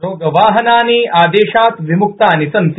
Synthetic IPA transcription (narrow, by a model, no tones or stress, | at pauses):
ɾoːɡəʋaːɦɐnaːniːʔaːd̪eːɕaːt̪ʋimuk̚t̪aːnisɐnt̪